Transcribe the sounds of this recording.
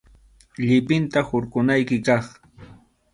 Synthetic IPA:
ʎɪpɪnt̪ahʊɾɢʊnajkɪkɑχ

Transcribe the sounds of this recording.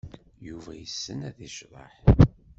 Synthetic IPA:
juvæjəsːənæðiʃðˤə̰ħ

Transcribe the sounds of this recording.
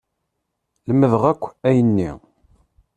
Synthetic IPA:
ləmːəðəʁækʷːæjənːḭ

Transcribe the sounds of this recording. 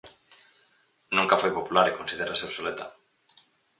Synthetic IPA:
nũŋkafojpopulaɾekõnsið̞eɾaseoβsolet̪a

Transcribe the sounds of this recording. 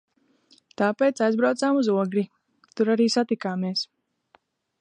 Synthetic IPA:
t̪aːpeːt̪sajzbɾawt̪saːmuzuɔɡɾi | t̪uɾaɾiːsat̪ikaːmeɛs

